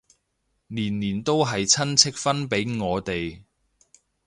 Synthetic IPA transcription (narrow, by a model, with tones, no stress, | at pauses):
niː˨˩nːiː˨˩nt̪o˥wɦɐ˨jt͡sʰɐ˥nt͡sʰɪ˥k̚fɐ˥npe˨˥jŋɔː˨˧t̪e˨j